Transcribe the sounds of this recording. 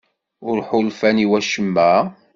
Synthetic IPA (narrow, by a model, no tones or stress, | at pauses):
ʊɾħʊlfæniwæʃəmːæ